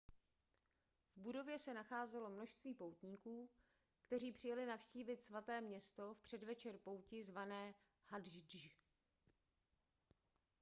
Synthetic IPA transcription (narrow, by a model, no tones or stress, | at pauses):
vbudo̞vjɛsɛnaxaːzɛlo̞mno̞ʃst̪viːpowt̪ɲiːkuː | kt̪ɛriːpr̝̥ɪjalɪnafʃciːvɪt̪svat̪ɛːmɲɛst̪o̞fpr̝̥ɛdvɛt͡ʃɛrpo̞wcɪzvanɛː | hadʒdʒ